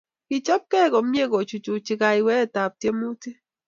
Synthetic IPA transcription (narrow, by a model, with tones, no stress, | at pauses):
kɪ˨t͡ʃɔ˦p̚kɛ˦˨kɔ˨mje˦˨ɡɔ˨t͡ʃu˨t͡ʃu˨t͡ʃɪ˨ka˨i˨wɛ˦˨ta˨p̚tje˦mu˦ti˦